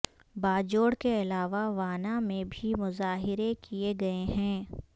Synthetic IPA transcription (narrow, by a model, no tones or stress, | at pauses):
baːd͡ʒoːɽkeɐlaːʋaʋaːnamẽbʱimʊzaːɦɪɾekieɡɐeɦɛ̃ː